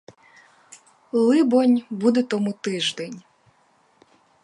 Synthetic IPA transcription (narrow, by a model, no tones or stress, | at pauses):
lˠɪbɔnʲbud̪ɛt̪ɔmut̪ɪʒd̪ɛnʲ